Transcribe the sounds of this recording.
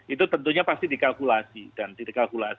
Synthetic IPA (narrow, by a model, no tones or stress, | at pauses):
ʔit̪ut̪ənt̪uɲapast̪idikalkulasidandikalkulas